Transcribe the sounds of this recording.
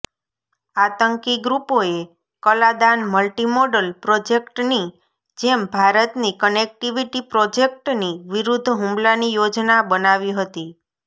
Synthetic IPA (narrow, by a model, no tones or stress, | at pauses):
at̪əŋkiɡɾupoe | kəlad̪anməlʈimoɖəlpɾod͡ʒekʈni | d͡ʒembʱaɾət̪nikənek̚ʈiʋiʈipɾod͡ʒek̚ʈniʋiɾud̪ʱːɦũmlanijod͡ʒnabənaʋiɦət̪i